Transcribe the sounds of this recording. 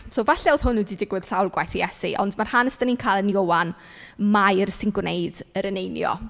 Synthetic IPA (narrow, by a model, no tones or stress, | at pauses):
sowvaɬɛʊð̥hʊnːudidɪɡwɪð̥sawlˠɡwajθiɛsḭʔɔ̰ndmar̥hanəstəniːnkʰaːlˠənjowan | majrsɪŋɡwnejd̥əɾənejnjɔ̰